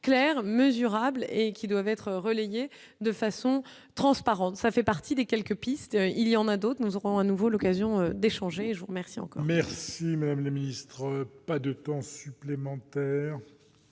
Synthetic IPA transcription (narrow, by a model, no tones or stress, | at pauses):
klɛʁməzyʁablekʲid̪wavɛt̪χʁəleje | d̪əfasɔ̃ | t̪χɑ̃spaʁɑ̃t̪safɛpaʁt̪ʰid̪ekʲɛlkəpist̪iljɑ̃nad̪ot̪χənuzɔʁɔ̃anuvolɔkazjɔ̃ød̪eʃɑ̃ʒeːʒəvuʁmɛʁsiɑ̰̃kɔ̰ʁmɛʁsimad̪amlaminist̪χəpad̪ət̪ɑ̃syplemɑ̃t̪ɛːʁ